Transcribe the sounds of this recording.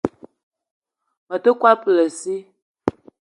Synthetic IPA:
mə˨tə˦kwa˦pə˨lə˨si˦

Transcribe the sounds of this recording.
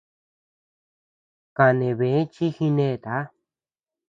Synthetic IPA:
ka˧nẽ˨βẽ˨˦t͡ʃi˦hĩ˧nẽ˦˧t̪a˨˦

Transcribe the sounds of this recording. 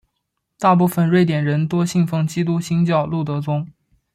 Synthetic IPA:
t̪a˥˧p̬u˥˩fə˥˧nɻwe˥˩ɪt̪jɛ˨˩nɻə˧˥nt̪wɔ˥ɕi˥˧ŋfɤ˥˩ŋt͡ɕi˥t̪u˥ɕi˥ŋt͡ɕjɑ˥˧ʊlu˥˩t̪̬ɤ˧˥t͡sʊ˥ŋ

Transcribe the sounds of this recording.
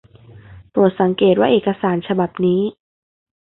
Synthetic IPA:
p̪u˨˩t̪̚sa˩˦ŋkeː˨˩t̪̚waː˥˩ʔeː˨˩ka˧saː˩˦nt͡ɕʰa˧ba˨˩p̚niː˦˥

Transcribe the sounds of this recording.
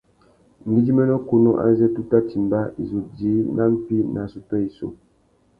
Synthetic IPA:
m̩˨ɡi˦d͡ʒi˦mɛ˦nɔ˦ku˦no˦ʔa̰˦zɛ˦tu˦ta˦ti˨m˨ba˦i˨zu˨di˨˦na˦m̩˦pi˦na˨su˨tɔ˦i˨so̰˨

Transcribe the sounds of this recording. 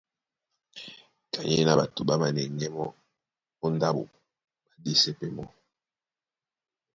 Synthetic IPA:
ka˨ɲe˦na˨ba˨to˨ba˦ma˨nɛ˨ŋɡɛ˦mɔ˦ | o˦nda˦bo̰˨ | ba˨di˦se˦pɛ˦mɔ˦

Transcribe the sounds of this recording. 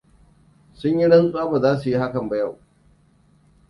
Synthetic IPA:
sʊ˦ɲji˦ɽɐ˦nsʼʊ˦a˦ba˨zaː˦su˨ji˦ha˦kɐ˨mba˨ja˦˨w

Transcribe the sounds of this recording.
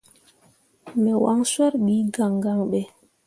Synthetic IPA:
mɛ˨wa̰˦ŋswɛ˦ɾɓiː˨˦ɡa˨ŋɡa˦ŋɓɛ˨

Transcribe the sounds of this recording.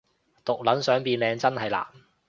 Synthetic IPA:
t̪ʊ˨k̚lɐ˨˥nsœː˨˥ŋpiː˨˧nlɛː˨˧ŋt͡sɐ˥nhɐ˨jla̰ː˨˩

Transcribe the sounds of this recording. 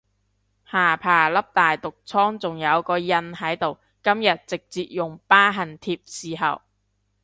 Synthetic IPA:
haː˨˩pʰaː˨˩lɐ˥p̚t̪aː˨jt̪ʊ˨k̚t͡sʰɔː˥ŋt͡sʊ˨ŋjɐ˨˧wkɔː˧jɐ˧nɦɐ˨˥jt̪o˨w | kɐ˥mjɐ˨t̚t͡sɪ˨k̚t͡siː˨t̚jʊ˨ŋpaː˥ɦɐ˨˩nt̪ʰiː˧p̚siː˨ɦɐ̰˨w

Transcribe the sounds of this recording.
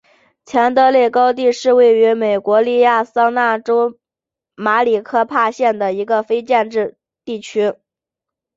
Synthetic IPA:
t͡ɕʰjɛ˧˥nt̪ɤ˧˥le˥˩kɑ˥ʊt̪̬i˥˧ʂɻ̩˥˧we˥˩ɪy˧˥me˨˩ɪkwɔ˧˥li˥˧ja˥˩sɑ˥ŋna˥˩ʈ͡ʂo˥ʊ | ma˧˥li˨˩kʰɤ˥pʰa˥˧ɕjɛ˥˩nd̪ə˩i˧˥ɡə˧fe˥ɪt͡ɕjɛ˥˧nʈ͡ʂɻ̩˥˧ | t̪i˥˩t͡ɕʰy˥

